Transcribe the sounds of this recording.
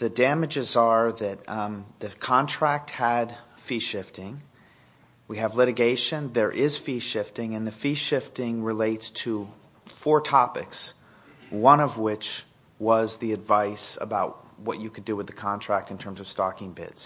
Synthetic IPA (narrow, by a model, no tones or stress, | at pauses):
ðɨdæmɨd͡ʒɨzə˞ðɨt̪̚ðɨkʰɑ̃ntʰɹ̥æk̚t̚həd̥ | fiʃɪftɪ̃ŋ | wiɨvlɪɾɨɡeɪʃɨ̃nðə˞ʔɪz̥fiʃɪftɪ̃ŋɨ̃nðɨfiʃɪftɪ̃ŋɹɨleɪtstʰə | fɔɹtʰɑpɨks | wʌ̃ñʌvwɪt͡ʃ | wʌzðiɨdvaɪsə̰baʊt̚wʌt͡ʃɨkʰɨdɨwɨðɨkʰɑ̃ntʰɹ̥æk̚tɨ̃n̩tʰɜ̃˞mzʌv̥stɑkɪ̃ŋbɪ̰dz̥